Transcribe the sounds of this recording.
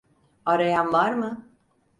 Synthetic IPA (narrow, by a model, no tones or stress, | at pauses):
aɾajanvaɾmɯ